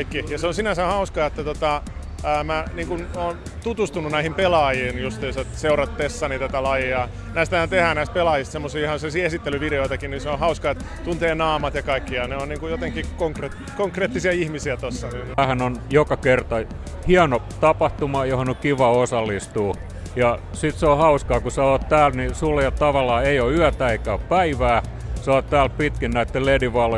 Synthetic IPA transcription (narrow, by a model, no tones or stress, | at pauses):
ikːijɑseõnsinæsæhɑuskɑet̪ːæt̪ot̪ɑ | əːmæniːŋkunoːn | t̪ut̪ust̪ununæihimpelɑːjiːnjost̪esɑt̪seurɑt̪t̪esːɑniːt̪æt̪ælɑjiɑ | næist̪ææt̪ehæːnæist̪̚pelɑːjist̪semːosiːihɑnsesiesit̪ːelyʋideoit̪ɑkinninseõhɑuskɑet̪ | t̪unt̪eːnɑːmɑt̪jɑkɑikːiɑneonniːŋkujot̪eŋkikoŋkret̪ | koŋkreːt̪ːisiɑihmisiæt̪osːɑ | æhænonjokɑkert̪ɑ | hiɑno | t̪ɑpɑht̪umɑjohonokiʋɑosɑlːist̪uː | jɑsit̪seohɑuskɑːkusɑoːt̪t̪æːlnisuljɑt̪t̪ɑʋɑlːˑɑːeioyæt̪æeikæoppæiʋæː | sɑːt̪t̪æːlpit̪kinnæit̪ːellediʋɑl